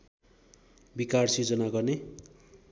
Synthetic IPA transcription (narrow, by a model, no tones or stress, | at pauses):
bikarsid͡zʌnaɡʌrne